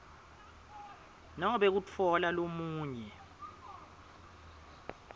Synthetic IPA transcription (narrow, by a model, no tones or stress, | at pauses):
nɔŋɔɓek̬ut͡fʰɔlalomuːɲɛ